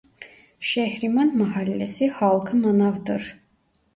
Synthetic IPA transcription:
ʃɛhɾimɑnməɦɑlʲːɛsihɑlˠkʰəmənɑvd̪əɾ

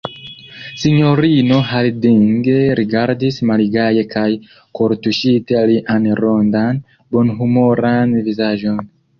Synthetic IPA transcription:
siɲoɾinohalidiŋɡeɾiɡaɾdismaliɡajekʰaj | koɾtuʃitealiʔanɾondan | bonɦumoɾanivizaʒon

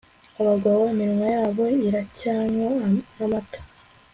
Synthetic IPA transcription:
aβaɡwawamiɾimajaːβo̞iɾacaːnwanamatḁ

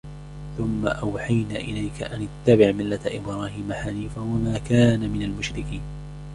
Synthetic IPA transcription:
θʊmːa̰ʔawħajnaːʔɪlajkaʔanɪt̪ːabɪʕmɪlːaʔɪbɾɑːhiːmaħaniːfawamaːkaːnamɪnalmʊʃɾɪkiːn

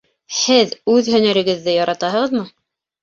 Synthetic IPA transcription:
hɘðʉðhɵ̆næɾɘ̆ɡɘ̆ðːɘjɑɾʔɑt̪ɑɦɤ̆ʁɤ̆ðmɤ

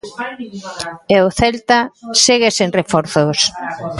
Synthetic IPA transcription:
eoθɛlt̪aseɣeseŋrefɔɾθos

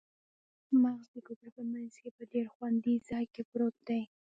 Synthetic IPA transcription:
maɣzd̪əkokɾapəmanz̥kepədeɾxwand̪izɑjkepɾot̪̚d̪aj

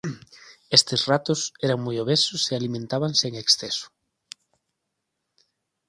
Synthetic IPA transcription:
est̪ɪsrat̪ʊsɛɾaŋmojoβesʊsealimẽnt̪aβaŋseŋeksθesʊ̥

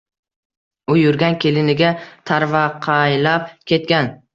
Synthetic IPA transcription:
ʊjʊɾɡʲankʲʰe̞lɪnɪɡʲat̪ʰaɾvaqʰɑjlap̚kʲʰe̞t̪̚kʲan

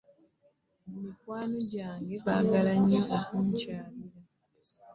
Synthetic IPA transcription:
mumikwaːno̞ɟaːŋɡe̞βa̰ɡalaɲːaʔokuɲcaːβiɾa

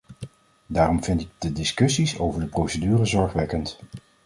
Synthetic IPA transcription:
daːrɔmvɪntɪɡ̚dədɪskɵsiso̰wvəɹdəprowsədyːrəzɔɹχʋɛkənt

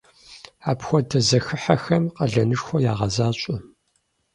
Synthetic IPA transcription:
aːpxʷɔdɐzɐxɨħaxɐmqɐɮɐnɨʂxʷɔjaːʁɐzaːɕʷʼʊ

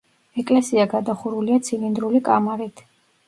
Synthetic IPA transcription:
ɛkʼlɛsiaɡad̪aχuɾuliat̪sʰilind̪ɾulikʼamaɾit̪ʰ

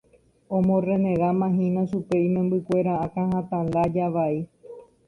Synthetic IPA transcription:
õmõre̞nẽ̞ɾamãɦĩnãʃupe̞imẽmbɨkʷe̞ɾaãkãhãt̪ãnd̪ad͡ʒaʋai

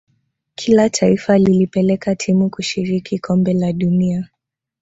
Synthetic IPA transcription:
kʰilatʰaifalilipɛlɛkatʰimukuʃiɾikʰikʰɔmbɛlaɗunia

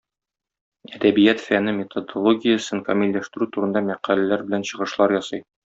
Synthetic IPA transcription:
æd̪æbijæt̪fænɘmʲɪt̪od̪olˠoɡʲijəsɤnfɐmʲilʲlæʃt̪ɘ̆ɾʉt̪uɾɤ̆nd̪ɑmæqælælæɾbɘ̆lænɕɤ̆ʁɤ̆ʃlˠɑɾjɒsɤj

